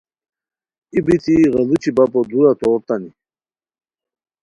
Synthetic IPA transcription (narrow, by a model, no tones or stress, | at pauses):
ibit̪iɣɐlut͡ɕibapod̪uɾat̪oːɾt̪ani